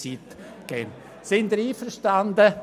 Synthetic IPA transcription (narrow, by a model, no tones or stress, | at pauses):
it̪ | ɡ̥ɛm | sɪnd̪əɾiːfəɾʃtand̪ə